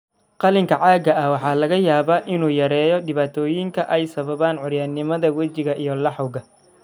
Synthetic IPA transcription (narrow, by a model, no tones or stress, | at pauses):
qɑlɪŋkʰɐʕɑːɡɐɐwɑħɑːlɐɣɐjaːβaːʔɪnuːjɐɾɛːjɔɖɪβaːt̪ʰɔːjɪŋkʰɐʔɛjsɐβɐβaːnʕʊɾjaːnɪmɐðɐwɐt͡ʃɪɣɐʔijɔlɑħʊwɣɐ